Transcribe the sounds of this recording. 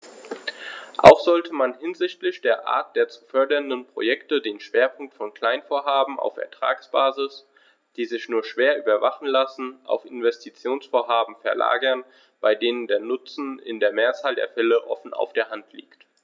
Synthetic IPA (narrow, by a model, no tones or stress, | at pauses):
ʔa̰ʊxz̥ɔltʰəmanɦɪnzɪçtlɪçd̥eːɐʔa̰ːɐt̚d̥eːɐt͡su̥fœɐdɐndənpʁ̥o̰jɛktədeːnʃv̥eːɐpʰʊŋk̚tfɔnkl̥aɪnfoːɐɦaːbm̩ʔa̰ʊfɛ̰ɐtʁ̥a̰ːksb̥aːzɪs | d̥iːzɪçnuːɐʃv̥eːɐʔyːbɐvaχn̩lasn̩ʔa̰ʊfɪnvɛstʰit͡sjoːnsfoːɐɦaːbm̩fɛɐla̰ːɡɐn | b̥aɪdeːnəndeːɐnʊt͡sn̩ɪ̰ndeːɐmeːɐt͡saːldḛːɐfɛləʔɔfn̩a̰ʊfd̥eːɐɦantʰlḭːkt